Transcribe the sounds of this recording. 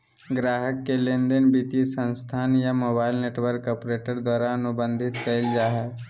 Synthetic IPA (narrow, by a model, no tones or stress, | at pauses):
ɡɾaːɦəkːelẽːnd̪ənbit̪isə̃nst̪ʰaːnjamoːbaːɪlneːʈwəɾkɔːpɾeːʈəɾd̪waːɾaːnʊbə̃nd̪ʱɪt̪kəɪld͡ʒaːɦɛ